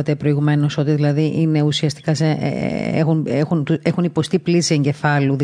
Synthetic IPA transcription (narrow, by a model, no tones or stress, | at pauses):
ɐt̪epɾo̞iɣume̞no̞so̞t̪iðilɐðiʔine̞usiɐst̪i̥kɐsḛḛxunexunt̪uexunipo̞st̪iplisie̞ɲɟe̞fɐluð